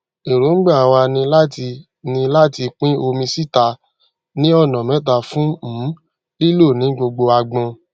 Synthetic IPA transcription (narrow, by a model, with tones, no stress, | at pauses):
e˨ɾo˨˦ŋ̩˦ɡ͡bã˦˨a˨wa˧nĩ˧la˦ti˧ | nĩ˧la˦ti˧k͡pĩ˦o˧mĩ˧si˦˨ta˧ | nĩ˦ɔ˦˨nã˨mɛ̃˨˦t̬a˧˨fũ˦m̩̃˨˦ | i˦lo˦˨nĩ˨˦ɡ͡bo˧ɡ͡bo˧a˧ɡ͡bã˧